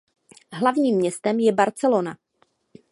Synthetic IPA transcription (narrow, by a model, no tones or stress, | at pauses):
ɦlavɲiːmːɲɛst̪ɛmjɛbaɾt͡sɛlona